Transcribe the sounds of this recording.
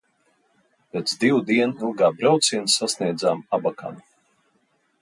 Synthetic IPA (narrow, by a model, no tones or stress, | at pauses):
pʲet̪zd̪iwd̪iɛnilˠɡaːbɾawt̪siɛnsːasniɛd̪zaːmabaka̰nu